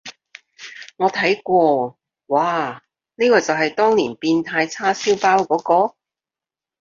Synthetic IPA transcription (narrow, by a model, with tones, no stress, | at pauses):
ŋɔː˨˧t̪ʰɐ˨˥jkʷɔː˧ | waː˨ | niː˥kɔː˧t͡sɐ˨wɦɐ˨jt̪ɔː˥ŋnḭː˨˩npiː˧nt̪ʰaː˧jt͡sʰaː˥siː˥wpaː˥wkɔː˨˥kɔː˧